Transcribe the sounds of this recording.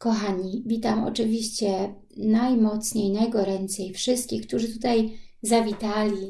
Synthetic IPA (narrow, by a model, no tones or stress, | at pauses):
kɔxaɲibʲit̪amɔ̰t͡ʂɘvʲiɕt͡ɕɛ | najmɔt̪sɲejnajɡɔɾɛnt̪sɛjfʂɘst̪̚kʲixk̚t̪uʐɘt̪ut̪ajzavʲit̪alʲi